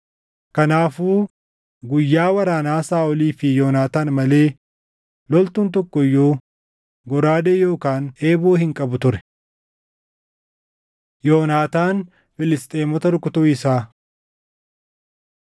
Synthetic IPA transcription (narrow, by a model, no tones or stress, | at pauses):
kɐnaːfuː | ɡʊjːaːwɐɾaːnaːsaːɔliːfɪjoːnaːt̪aːnmɐle̞ː | lɔlt̪ʊnt̪̬ɔkːɔjːoː | ɡɔɾaːd̪eːjo̞ːkaːneːboːhɪŋkʼɐbʊt̪ʊɾɛ̥ | jo̞ːnaːt̪aːn | fɪlɪst̪ʼe̞ːmɔt̪ɐɾʊkːʊt̪uːɪsaː